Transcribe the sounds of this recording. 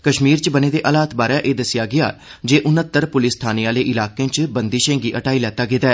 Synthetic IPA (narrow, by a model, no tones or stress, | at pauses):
kəʃmiːɾt͡ʃbəneːd̪eːʔəlaːt̪baːɾɛːʔeːd̪əsɪjaːɡɪa̰ːd͡ʒeːʔʊnət̪ːəɾpʊlɪst̪ʰaːniːãːleːʔɪlaːkẽːt͡ʃbənd̪iːʃẽːŋɡiːʔəʈaːiːlɛːt̪aːɡɪt̪aː